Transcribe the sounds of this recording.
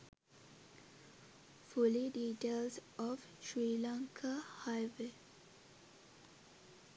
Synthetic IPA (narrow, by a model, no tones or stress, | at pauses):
fuliɖiːʈeːlsɔʋ | ʃɹiːlãŋkʰahaɪʋe